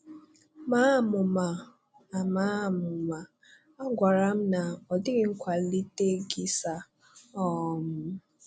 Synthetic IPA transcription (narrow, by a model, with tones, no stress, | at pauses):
maː˦˨mʊ˨ma˨ | a˨ma˦˨mʊ˨ma˨ | a˦ɡʷa˨ɾa˦m̩˦na˨ɔ˨dɪ˦ɡɪ˨˦ŋ̩˦kʷa˨li˦te˦ɡi˦sa˦ | ɔ˦˨m̩˦